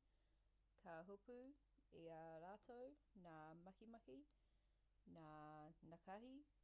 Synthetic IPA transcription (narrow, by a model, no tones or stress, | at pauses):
kʰaɦupʉ | eɐɾaːtʰownaːmɐkimɐki | naːnɐkɐhi